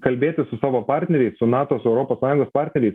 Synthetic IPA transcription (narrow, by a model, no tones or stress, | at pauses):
kɐlʲbʲeːt̪ʲɪsʊsɑːʋoːpɑːɾʲt̪ʲnʲɛɾʲɛɪssʊnɑːt̪oːsʊɛʊɾoːpoːsɑːjʊŋɡoːspɑːɾʲt̪ʲnʲɛɾʲɛɪs